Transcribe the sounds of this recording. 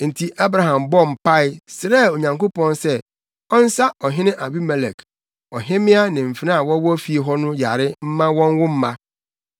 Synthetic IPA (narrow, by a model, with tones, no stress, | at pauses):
n̩˨tʰi˨ʔa˦bɾa˨ɦã˨mbɔ˦m̩˨pʰa˦ɪ˦sɾɛ˦˨o˨ɲã˨ŋko˦pɔ̃˦nsɛ˦ | ɔ˦n̩˦sa˦ɔ˨ɦɪ̃˦nɪ̃˦ʔa˨bi˦mɛ˨lɛ˨k | ɔ˨ɦɪ̃˦mɪ̃˦a˦nɪ̃˨m̩˨fɪ˨˦nã˦a˨wɔ̃˦wɔ˦fi˨e˨ɦɔ˦nʊ̃˦ja̰˨ɾɪ˦m̩˦mã˦wɔ̃˦n˦wʊ˦m̩˦mã˦